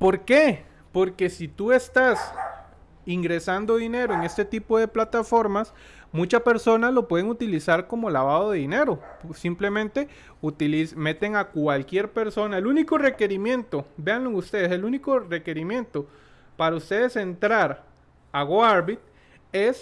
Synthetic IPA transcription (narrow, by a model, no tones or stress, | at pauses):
po̞ɾke̞ | po̞ɾke̞sit̪ue̞st̪as | iŋɡɾe̞sand̪o̞ðine̞ɾo̞eŋe̞st̪e̞t̪ipo̞ðe̞plat̪afo̞ɾmas | mut͡ʃaspe̞ɾso̞nalo̞pwe̞ðeŋut̪ilisaɾko̞mo̞laβaðo̞ðe̞ðine̞ɾo̞simple̞mẽ̞nt̪e̞ | ut̪ilisme̞t̪e̞ŋakwalkje̞ɾpe̞ɾso̞naeluniko̞re̞ke̞ɾimjẽ̞nt̪o̞be̞anloeust̪e̞ðeseluniko̞re̞ke̞ɾimjẽ̞nt̪o̞ | paɾaust̪e̞ðe̞se̞nt̪ɾaɾ | aɣoaɾbit̪̚ | es